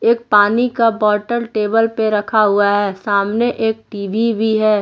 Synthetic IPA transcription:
eːk̚paːnikabɔːʈəɾʈeːbəlpeɾɐkʰaɦʊaɦɛːsaːmneʔeːk̚ʈiːʋʱibʱiɦɛː

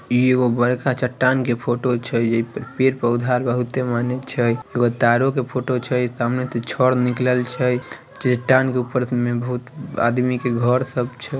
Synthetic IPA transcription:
ieɡobəɾkat͡ʃəʈːankepʰoʈot͡ʃʰəd͡ʒeipəɾpeɾpəud̪ʱaɾbəɦut̪ːemanet͡ʃʰəjeɡot̪aɾokepʰoʈot͡ʃʰəjsaəmnet̪ət͡ʃʰɔɾnikləlt͡ʃʰəj | t͡ʃiʈːankeupəɾmebəɦut̪a̰d̪mikeɡʱəɾsəbt͡ʃʰɛ

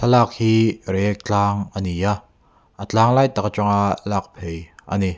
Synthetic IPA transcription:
sʰalak̚hiːɾɛk̚t͡ɬaːŋʔənija | ʔət͡ɬaːŋlaːjt̪akt͡ʃɔŋalak̚pʰejʔə̰ni

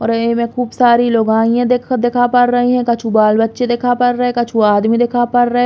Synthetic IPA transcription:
ɔːɾemẽkuːbsaːɾiloːɡaːijãd̪ed̪eːkʰapɐɾːɐɦĩɦɛ̃kɐt͡ʃʰubaːlbɐtːʃed̪eːkʰapɐɾːɐɦɛkɐt͡ʃʰuaːd̪mid̪eːkʰapɐɾɾɐɦɛ

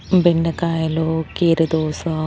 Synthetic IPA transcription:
beɳɖɐkaːjɐloːkeːɾɐd̪oːsɐ

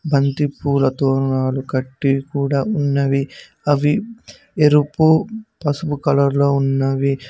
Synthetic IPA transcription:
bʱɐnt̪ipuːlɐt̪ɔːɾɳaːlukɐʈːikuːɽaːunːɐʋi | ɐʋi | eɾupupɐsupukɐlɐɾlo̞ːunːɐʋi

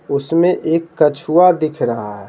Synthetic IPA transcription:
ʊsmẽʔeːkːɐt͡ʃʰuad̪ɪkʰɾɐɦaɦɛ

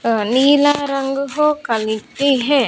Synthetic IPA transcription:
niːlaːɾɐŋɡɦoːkɐlitiɦɛ̃

